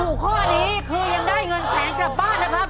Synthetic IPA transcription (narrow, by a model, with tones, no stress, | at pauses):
uː˨˩kʰɔː˥˩niː˦˥kʰuː˧ja˧ŋdaː˥˩jŋɤ˧nsʰɛː˩˦ŋka˨˩p̚baː˥˩nːa˦˥˩kʰa˦˥p̚